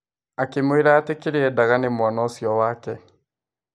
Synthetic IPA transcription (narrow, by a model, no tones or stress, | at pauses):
akemweɾaːtekeɾeɛdaɣanemwanɔsjɔwaːkɛ